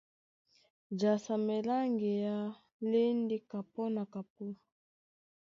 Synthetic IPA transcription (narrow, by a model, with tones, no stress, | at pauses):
d͡ʒa˨sa˨mɛ˨la˦ŋɡɛ˨ja˦ | le˦ndi˦ka˨pɔ˦na˨ka˨p̚u˦